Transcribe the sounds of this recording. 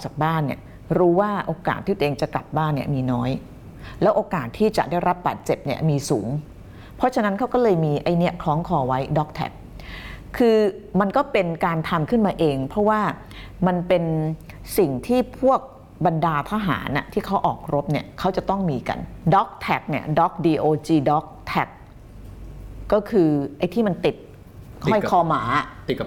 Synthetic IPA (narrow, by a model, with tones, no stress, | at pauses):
t͡ɕa˨˩k̚baː˥˩nːḭ˦˥˩ə | ɾuː˦˥waː˥˩ʔoː˧ka̰ː˨˩t̪ʰiː˥˩˧ʔeː˧ŋt͡ɕa˨˩kla˨˩p̚baː˥˩nːi˥˩ɐmiː˧nɔː˦˥j | lɛː˦˥wʔoː˧kaː˨˩t̪ʰːiː˥˩t͡ɕa̰˨˩ʔdaː˥˩jɾa˦˥p̚ba̰ː˨˩t̪̚t͡ɕe˨˩p̚ni˦˥˩ɐmiː˧suː˩˦ŋ | pʰɾɔ˦˥t͡ɕʰa˧na˦˥nkʰa˦˥wkɔː˥˩lɤː˧jmiː˧ʔa˧˩jni˦˥ɐkʰlɔː˦˥ŋkʰɔː˧wa˦˥jdɔː˦˥k̚t̪ʰɛ̰˨˩p̚kʰɯː˧ | ma˧nkɔː˥˩pe˧nkaː˧nt̪ʰa˧mkʰɯ˥˩nmaː˧ʔeː˧ŋpʰɔ˦˥waː˥˩ | ma˧npe˧n | si˨˩ŋt̪ʰiː˥˩pʰu˥˩ək̚ | ba˧ndaː˧t̪ʰaː˦˥ɦa̰ː˩˦nʔa̰˨˩t̪ʰiː˥˩kʰa˦˥wʔɔ̰ː˨˩k̚ɾo˦˥p̚ni˥˩ɐkʰa˦˥wt͡ɕa˨˩t̪ɔ˥˩ŋmiː˧ka̰˧ndɔː˦˥k̚t̪ʰɛ˨˩k̚ni˥˩ədɔː˦˥k̚diː˧ʔoː˧t͡ɕiː˧dɔ˦˥k̚t̪ʰɛ˨˩k̚ | kːɔː˥˩kʰɯː˧ʔa˧jt̪ʰiː˥˩ma˧nt̪i˨˩t̪̚ | hɔ˥˩jkʰɔː˧ma̰ː˩˦